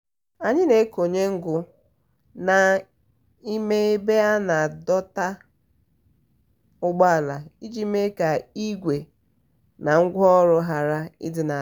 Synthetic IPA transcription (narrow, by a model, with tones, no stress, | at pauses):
a˨ɲɪ˦ne˨˦ko˨ɲe˦ŋ̩˦ɡʊ˨ | na˨ | i˦me˦e˦be˦a˦na˨dɔ˦ta˦ | ʊ˦ɡ͡ba˦a˨la˨i˦d͡ʒi˦me˦ka˨i˦ɡʷe˨ | na˨ŋ̩˦ɡʷɔ˦ɾʊ˦ɦa˨ɾa˦ḭ˦dɪ˨na˨